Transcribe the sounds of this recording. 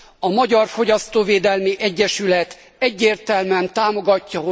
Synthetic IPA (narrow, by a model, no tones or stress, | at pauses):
ɒmɒɟɒrfo̞ɟɒst̪oːveːd̪ɛlmiʔɛɟːɛʃylɛt̪ | ɛɟːeːrt̪ɛlmɛnt̪aːmo̞ɡɒcːɒɦo